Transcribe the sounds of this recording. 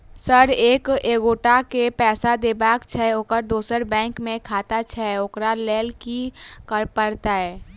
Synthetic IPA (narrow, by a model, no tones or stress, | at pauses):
səɾeːkeːɡoːʈakepɛːsad̪eːbaːkt͡ʃʰɛoːkəɾd̪uːsəɾbɛ̃ːŋkmẽkʰaːt̪at͡ʃʰɛoːkɾalɛːlkikəɾpəɾt̪aɦɛː